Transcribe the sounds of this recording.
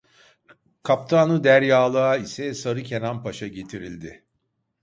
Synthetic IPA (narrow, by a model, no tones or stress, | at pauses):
kʰap̚t̪ʰaːnɯd̪æɾjaːlˠaaisɛsaɾɯcʰenanpʰaʃaɟe̞t̪ʰiɾilʲd̪ɪ